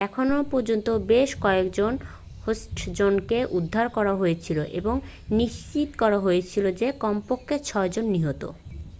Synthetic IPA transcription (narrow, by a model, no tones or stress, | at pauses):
ɛkʰonopɔɾd͡ʑont̪obeʃkɔekd͡ʑon | hosʈd͡ʑonkeʔud̪ʱːaɾkɔɾaɦojet͡ɕʰiloʔeboŋ | niʃt͡ɕit̪kɔɾaɦojet͡ɕʰilod͡ʑekɔmpokʰːet͡ɕʰɔed͡ʑonːiɦot̪o̰